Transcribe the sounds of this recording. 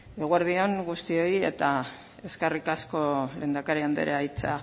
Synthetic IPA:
eɣweɾðio̞ŋɡust̪io̞je̞̰t̪a | e̞skarikasko̞le̞ːnd̪akaɾiand̪ḛɾeajt͡sa

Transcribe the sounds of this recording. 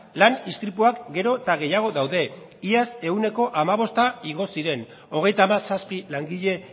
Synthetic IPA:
lanist̪ɾipuakɡe̞ɾo̞t̪aɣ̞e̞jaɣ̞o̞ðawðe̞ | iase̞une̞ko̞ʔamaβ̞o̞st̪aiɣ̞o̞siɾe̞n | o̞ɣ̞e̞jt̪aːmasaspilaŋɡiʎe̞

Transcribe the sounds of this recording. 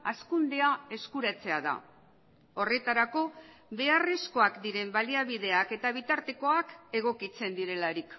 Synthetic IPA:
askund̪e̞ae̞skuɾat͡se̞aða̰ | o̞re̞t̪aɾako̞βe̞are̞sko̞akd̪iɾe̞mbaliaβ̞iðe̞ake̞t̪aβ̞it̪aɾt̪e̞ko̞ake̞ɣ̞o̞kit͡se̞nd̪iɾe̞laɾik

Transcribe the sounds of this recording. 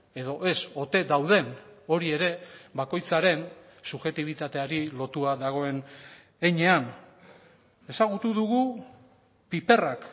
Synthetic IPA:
e̞ðo̞ʔe̞so̞t̪e̞d̪awðe̞no̞ɾie̞ɾe̞bako̞jt͡saɾe̞n | suʝe̞t̪iβ̞it̪at̪e̞aɾilo̞t̪uaðaɣ̞o̞e̞n | eɲe̞an | e̞saɣ̞ut̪uðuɣu | pipe̞rak

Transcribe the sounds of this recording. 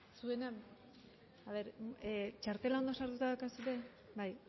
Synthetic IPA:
sue̞nam | aβe̞ɾt͡ʃaɾt̪e̞lao̞nd̪osaɾt̪ut̪aðawkasuɾe̞ | baj

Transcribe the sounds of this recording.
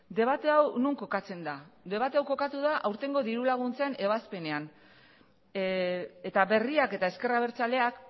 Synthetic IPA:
d̪e̞β̞at̪e̞awnuŋko̞kat͡se̞nd̪ad̪e̞β̞at̪e̞awko̞kat̪uð̞aʔawɾt̪e̞ŋɡo̞ðiɾulaɣ̞unt͡saene̞β̞aspe̞ne̞an | e̞t̪aβe̞riake̞t̪ae̞ske̞raβe̞ɾt͡sale̞ak

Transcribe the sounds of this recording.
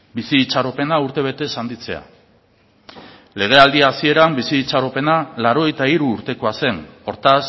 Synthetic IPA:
bisiːt͡saɾope̞nauɾt̪e̞β̞e̞t̪e̞sand̪it͡se̞a̰ | le̞ɣ̞e̞ald̪iasie̞ɾambisiːt͡saɾo̞pe̞nalaɾo̞ɣejt̪aiɾuːɾt̪e̞ko̞ase̞no̞ɾt̪as

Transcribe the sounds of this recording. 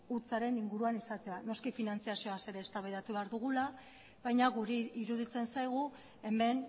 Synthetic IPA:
ut͡saɾe̞niŋɡuɾuanisat̪e̞ano̞skifinant͡siasioase̞ɾe̞ːst̪aβajðat̪uβe̞aɾðuɣ̞ula | βajɲaɣuɾeiɾuð̞it͡se̞nsajɣ̞u | e̞me̞n

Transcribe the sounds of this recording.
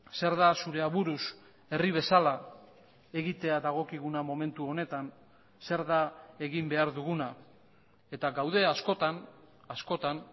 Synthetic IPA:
se̞ɾðasuɾe̞aβuɾus | e̞riβ̞e̞sala | e̞ɣit̪e̞aðaɣ̞o̞kiɣ̞unamo̞me̞nt̪uo̞ne̞t̪an | se̞ɾðae̞ɣimbe̞aɾðuɣuna | e̞t̪aɡawðe̞asko̞t̪an | asko̞t̪an

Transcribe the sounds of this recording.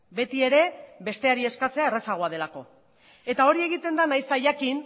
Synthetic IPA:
be̞t̪ie̞ɾe̞βe̞st̪e̞aɾie̞skat͡seae̞re̞saɣ̞o̞að̞e̞lako̞ | e̞t̪ao̞ɾie̞ɣ̞it̪e̞nd̪anajst̪aʝakin

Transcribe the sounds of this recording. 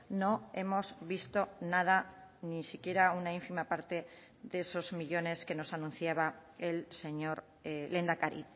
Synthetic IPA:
no̞e̞mo̞zβist̪o̞nað̞anisikje̞ɾaunaiɱfimapaɾt̪e̞ | ðeso̞zmiʎo̞ne̞ske̞no̞sanũn̟θjaβaelse̞ɲo̞ɾ | le̞nd̪akaɾḭt

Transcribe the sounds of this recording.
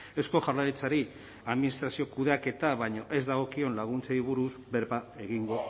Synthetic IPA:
esko̞ʝaɾlaɾit͡saɾi | aðminist̪ɾasio̞kuðake̞t̪aβajɲo̞ʔe̞zd̪aɣ̞o̞kio̞nlaɣ̞unt͡seiβuɾuzbe̞ɾβae̞ɣiŋɡo̞

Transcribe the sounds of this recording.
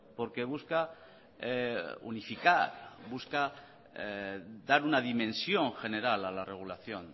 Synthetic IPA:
po̞ɾke̞βuska | ṵnifikaɾbuska | d̪aɾunaðimẽ̞nsjo̞ŋxe̞ne̞ɾalalarʔe̞ɣ̞ulaθjo̞n

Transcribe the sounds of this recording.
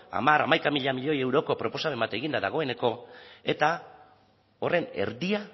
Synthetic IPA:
a̰maɾamajkamiʎamiʎo̞je̞wɾo̞ko̞pɾo̞po̞same̞mbat̪e̞ɣind̪aðaɣ̞o̞e̞ne̞ko̞e̞t̪a | o̞re̞ne̞̰ɾðia

